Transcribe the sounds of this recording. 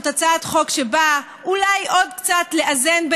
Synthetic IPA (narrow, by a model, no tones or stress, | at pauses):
t̪at͡satχo̞kʃeba | ulajʔo̞dkt͡satle̞ʔaze̞nb